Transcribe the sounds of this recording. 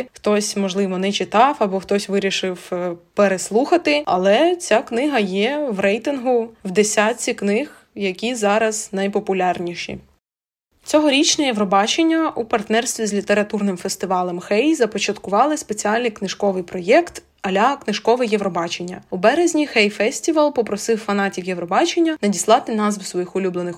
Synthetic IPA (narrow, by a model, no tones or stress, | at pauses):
xt̪ɔsʲmɔʒlˠɪʋɔnɛt͡ʃɪt̪ɑfɐbɔxt̪ɔsʲʋɪɾʲiʃɪwpeɾeslˠuxɐt̪ɪɐ̰lˠɛt͡sʲaknɪɦɐjɛwɾɛjt̪ɪnɦʊwd̪esʲat͡sʲiknɪx | jɐkʲizɑɾɐz̥nɐjpɔpʊlʲɑrnʲiʃḭ | t͡sʲɔɦɔɾʲit͡ʃnɛjeʋɾɔbɑt͡ʃenʲːɐupɐrt̪nɛrst̪ʋʲizʲlʲit̪e̞ɾɐt̪urnɪmfest̪ɪʋɑlˠɛmxɛjzɐpɔt͡ʃɐt̪kʊʋɑlˠɪspe̞t͡sʲiɑlʲnɪjknɪʃkɔʋɪjpɾɔjɛkt̪ | ɐlʲaknɪʒkɔʋɪjeʋɾɔbɑt͡ʃenʲːɐubɛɾezʲnʲixɛjfɛsʲtʲiʋɐlˠpɔpɾɔsɪwfɐnɑtʲiwjeʋɾɔbɑt͡ʃenʲːɐnɐdʲislˠɑt̪ɪnɑzʋsʋɔjixʊlʲublˠenɪx